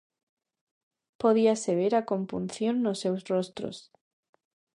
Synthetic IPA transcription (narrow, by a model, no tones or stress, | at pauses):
po̞ðiaseβ̞eɾako̞mpunθjo̞nːose̞wzro̞st̪ɾo̰s